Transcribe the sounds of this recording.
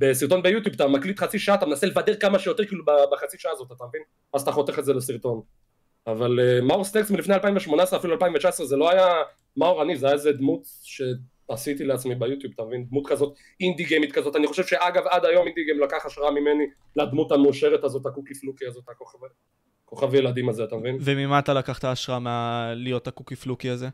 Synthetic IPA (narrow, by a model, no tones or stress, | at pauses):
besiʁt̪o̞nbejut̪̬jubat̪amaklit̪χat͡siʃaat̪amenaselevade̞ʁkamaʃejo̞te̞ʁkiːlubabeχat͡siʃaʔaːzot̪at̪amevin | mazt̪aχo̞t̪eχetzelesiʁt̪o̞n | avalemauʁstneksmilifnealpaimveʃmo̞naesʁeafilualpaimvet͡ʃaesʁezelo̞aja | mauʁanizeajaezed̪mut̪ | ʃe̞ | asit̪ileat͡smibejut̪jubat̪amevind̪mutkazo̞t̪ | ind̪iɡemit̪kazo̞taniχo̞ʃevʃeʔaɡavad̪ajo̞mind̪iɡemlakaχaʃʁamimeni | lad̪mutameuʃe̞ʁet̪azo̞t̪hakukiflukiazo̞t̪akoχav | ko̞χavajelad̪imazeat̪amevinvemimaːt̪alakaχtaːʃʁamealijotakukiflukiaze